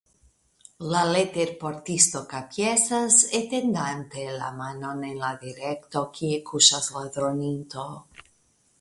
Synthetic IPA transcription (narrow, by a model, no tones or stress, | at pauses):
lalet̪eɾpoɾt̪ist̪okapjesaset̪end̪ant̪ela̰manonenlaðiɾekt̪okʰiekʰusazlaðɾonint̪o